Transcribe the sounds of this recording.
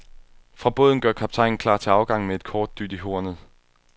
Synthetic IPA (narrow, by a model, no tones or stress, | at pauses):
fʁɑ̈b̥ɔ̽ːðˠn̩ɡ̥ɶɐkʰɑ̈b̥̚t͡sʰɑ̈ɪŋn̩kʰlɑ̰̈ːt͡sʰe̝ɑ̈ʊɡ̥ɑ̈ŋ̰mee̝d̥̚kʰɒːd̥̚d̥y̰ːd̥iɦo̝ɐnð̩ˠ